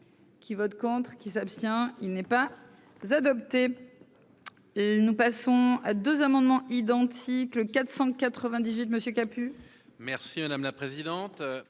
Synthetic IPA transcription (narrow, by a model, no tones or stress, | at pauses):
kʲʰivɔt̪kɔ̃t̪χkʲisapst̪jɛ̃ilnɛpa | zad̪ɔp̚t̪e | nupasɔ̃ad̪øzamɑ̃d̪mɑ̃ʔid̪ɑ̃t̪ʰikləkat̪χsɑ̃kat̪χəvɛ̃d̪izɥit̪məsjøkʲapy | mɛʁsimad̪amlapχezid̪ɑ̃t̪